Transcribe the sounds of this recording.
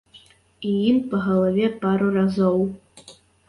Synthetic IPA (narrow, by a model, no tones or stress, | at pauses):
ijimpɐɣɐlˠavʲɛpaɾurazɔw